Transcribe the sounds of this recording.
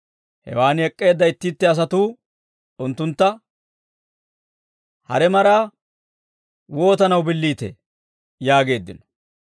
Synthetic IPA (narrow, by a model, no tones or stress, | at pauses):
hɛ̰waːnɛkʼːe̞ːd̪ːɐɪt̪ːiːt̪ːɛɐs̬ɐt̪uː | ʊnt̪ːʊnt̪ːɐ | hɐ̰ɾɛmɐɾaː | wo̞ːt̪ɐnɐwbɪlːiːt̪ḛ | jaːɡe̞ːd̪ːɪnɔ̥